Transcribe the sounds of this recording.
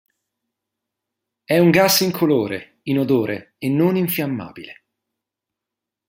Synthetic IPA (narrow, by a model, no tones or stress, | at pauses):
ɛuŋɡasiŋkʰoloːɾḛ | inod̪oːɾʔe | enːoniɱfjamːa̰ːb̥ile